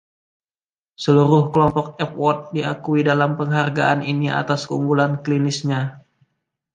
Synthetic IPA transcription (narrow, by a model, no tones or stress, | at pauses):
səluɾʊhkəlɔmpɔk̚ɛp̚wɔt̪̚diakuidalampəŋɦarɡaʔaninia̰t̪askəuŋɡulanklinɪsɲa